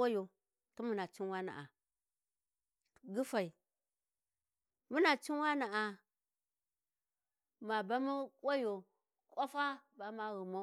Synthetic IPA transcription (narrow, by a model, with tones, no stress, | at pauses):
a˦jo˨ | tu˦mu˨na˨t͡ʃi˦nwa˦na̰˨ʔa̰˨ | ɡi˦fa˨i˨ | mu˦na˨t͡ʃi˦n˦wa˦na˨ʔa˨ | ma˨ba˦mu˦kwa˦jo˨ | kʷʼa˦fa˦ba˨ma˦ɣu˨mo˦